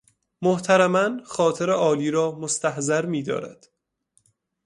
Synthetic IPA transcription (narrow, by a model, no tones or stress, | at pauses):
moht̪ʰæɾæmænxɒːt̪ʰeɾeʔɒːliːɾɒːmost̪ʰæhzæɾmiːd̪ɒ̰ːɾæ̰d̪̥